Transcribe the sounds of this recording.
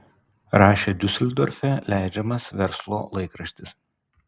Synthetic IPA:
ɾɑːʃʲeːd̪ʲʊsʲlʲd̪ɔɾʲfʲɛlʲæˑɪd͡ʒʲɛmɐsʋʲɛɾslˠo̰ːlˠɐɪkɾɐʃʲt̪ʲɪs

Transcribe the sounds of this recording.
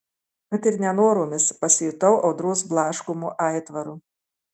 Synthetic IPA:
kɐt̪ʲɪɾnʲɛnoːɾuːmʲɪspɐsʲit̪ɐʊʔɒʊd̪ɾuːsblˠɑːʃkʊmuːʔɑˑɪt̪ʋɐɾu

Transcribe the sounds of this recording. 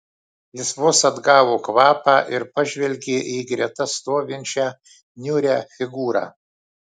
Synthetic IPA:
lʲɪsʋʊsɐd̪ɡɑːʋoːkʋɑːpɑːʔɪɾpɐʒʲʋʲɛlʲɡʲeːʔiːɡɾʲɛt̪ɐst̪oːʋʲɪnʲt͡ʃʲæː | nʲʊɾʲæːfʲɪɡuːɾɑ̰ː

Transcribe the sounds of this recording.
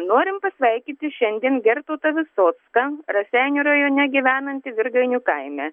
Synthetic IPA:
noːɾʲɪmpɐsʲʋɐɪkʲit̪ʲɪʃʲɛnʲd̪ʲiɛnɡʲɛɾt̪oːt̪ɐʋʲɪsoːt̪skɐɾɐsʲɛɪnʲuːɾɐjoːnʲɛɡʲiʋʲæːnɐnʲt̪ʲɪʋʲɪɾɡɐɪnʲukɐɪmʲɛ

